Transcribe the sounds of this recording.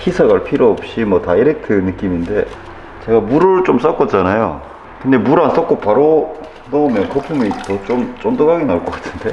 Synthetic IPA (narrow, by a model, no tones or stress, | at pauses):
hisʰaɡaɭpʰiɾoːp̚ɕ͈imwʌtaiɾɯkʰɯnɯk͈iminde̞ | t͡ɕe̞ɡamuɾɯt͡ɕ͈oms͈ak͈ʌt͡ɕ͈anajo̰ | kɯnde̞muɾans͈ʌk͈opaɾo | nʌomjʌnkʌpʰumitʌt͡ɕ͈omt͡ɕ͈ondoɡaɡinaɭk͈ʌk͈ḁtʰɯ̥nde̞